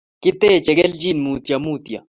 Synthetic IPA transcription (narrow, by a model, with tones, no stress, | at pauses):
kɪt̪ːeː˦˨t͡ʃɛ˨ɡɛ˦ld͡ʒi˦nmuː˨t̪jɐ˨muːt̪ja̰˨